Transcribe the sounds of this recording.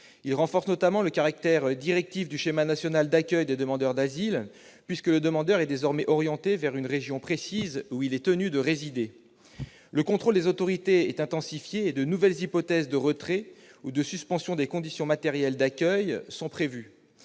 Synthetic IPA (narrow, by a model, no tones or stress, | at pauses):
ilʁɑ̃fɔʁsnɔt̪amɑ̃ləkaʁak̚t̪ɛʁd̪iʁɛk̚t̪ifd̪yʃemanasjɔnald̪akʲœjd̪ed̪əmɑ̃d̪œʁd̪azil | pɥiskələd̪əmɑ̃d̪œʁɛd̪ezɔʁmɛʔɔʁjɑ̃t̪evɛʁynʁeʒjɔ̃pχesizuilɛt̪ənyd̪əʁezid̪e | ləkɔ̃t̪χold̪ezot̪ɔʁit̪eɛt̪ɛ̃t̪ɑ̃sifjeːd̪ənuvɛlzipɔt̪ɛzd̪əʁət̪χɛud̪əsyspɑ̃sjɔ̃d̪ekɔ̃d̪isjɔ̃mat̪ɛʁjɛld̪akʲœjsɑ̃pχevy